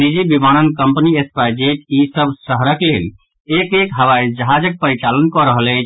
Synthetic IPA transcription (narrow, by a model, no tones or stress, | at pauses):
nid͡ʒibimañənkəmpniespaid͡ʒeʈisəbsəɦəɾəklel | ekekɦəʋaid͡ʒəɦad͡ʒək̚pəɾit͡ʃalənkɔɾəɦəlɛ